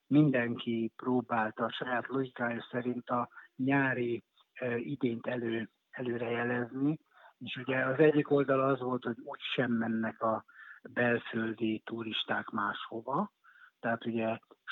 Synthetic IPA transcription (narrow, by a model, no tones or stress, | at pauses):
mind̪ɛŋkiproːbaːlt̪ɒʃɒjaːt̪lo̞ɡikaːjosɛɾint̪ɒɲaːɾi | id̪eːnt̪ɛløː | ɛløːɾɛjɛlɛzni | eːʃuɟɛɒzɛɟːiko̞ld̪ɒlɒzʋo̞lt̪ho̞ɟuːcʃɛmːɛnːɛkɒbɛlføld̪it̪uɾiʃt̪aːkmaːʃho̞vɒ | t̪ɛɦaːt̪uɟɛ